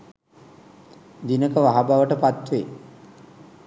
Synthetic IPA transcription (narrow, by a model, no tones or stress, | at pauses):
d̪inəkəʋaɦabaʋəʈəpat̪ʋe